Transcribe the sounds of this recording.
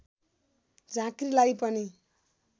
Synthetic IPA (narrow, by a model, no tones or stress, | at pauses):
d͡zãkrilajpʌni